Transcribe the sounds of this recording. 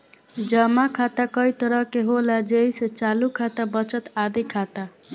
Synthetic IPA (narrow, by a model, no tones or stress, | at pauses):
d͡ʒəmakʰat̪akəjt̪əɾəɦkeɦolad͡ʒejset͡ʃalukʰat̪abət͡ʃət̪ad̪ikʰat̪a